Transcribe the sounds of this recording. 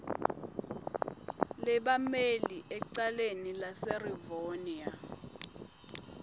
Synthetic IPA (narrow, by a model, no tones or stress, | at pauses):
lɛɓameliʔɛǀalenilasɛrivonia